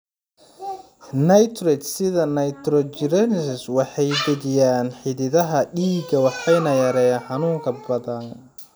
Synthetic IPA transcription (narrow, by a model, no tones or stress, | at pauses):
nɐjt̪ʰrɛt͡ʃsɪðɐnɐjt̪ɾɔt͡ʃɪɾɛnsɪswɑħɑjbɪðɪjaːnħɪðɪðɐɦɐɗiːɡɐwɑħɑjnɐjɐɾɛːjaːnħɑnuːŋkʰɐbɐðɐn